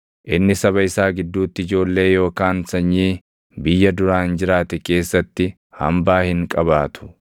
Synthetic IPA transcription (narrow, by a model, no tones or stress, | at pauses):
ʔɪnːɪsɐβɐɪsaːɡɪd̪ːuːt̪ːɪɪd͡ʒo̞ːlːe̞ːjo̞ːkaːnsɐɲːiː | bɪjːɐd̪ʊɾaːnd͡ʒɪɾaːt̪ɛke̞ːsːɐt̪ːɪ | hɐ̰mbaːhɪŋkʼɐβaːt̪ʰʊ̥